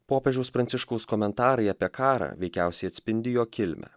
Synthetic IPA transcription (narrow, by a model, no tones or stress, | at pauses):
poːpʲɛʒʲɛʊspɾɐnʲt̪ʲɪʃkɐʊskɔmʲɛnt̪ɑːɾɐɪɐpʲiɛkɑːɾɑ̰ːʋʲɛɪkʲæˑʊsʲɛɪɐt̪sʲpʲɪnʲd̪ʲɪjoːkʲɪlʲmʲæ̰